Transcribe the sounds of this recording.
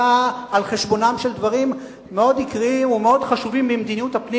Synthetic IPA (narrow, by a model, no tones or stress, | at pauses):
aalχeʃbo̞namʃeld̪vaʁimː | eo̞dikʁiimumeo̞dχaʃuvimbimd̪iniuthapni